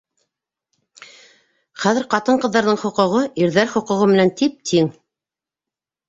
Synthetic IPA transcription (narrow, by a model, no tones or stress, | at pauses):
χæðɘɾqɑt̪ɤɴqɤ̆ðːɑɾðɤɴχŏqŏʁɤʔiɾðæɾχŏqɤ̆ʁɤmɘ̆nænt̪ip̚t̪ʰiŋ